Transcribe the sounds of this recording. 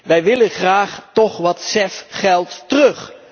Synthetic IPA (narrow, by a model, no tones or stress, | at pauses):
ʋɛjʋɪlənχraːχtɔχʋɑtsɛfχɛlˠttərɵχ